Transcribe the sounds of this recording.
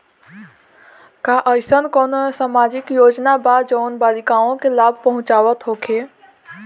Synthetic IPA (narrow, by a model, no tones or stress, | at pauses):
kaʔəjsənkɔːnosamad͡ʒɪkjoːd͡ʒnabad͡ʒəːnbaːlikaõkelaːb̚ʱpəɦʊ̃t͡ʃaːʋət̪ɦokʰe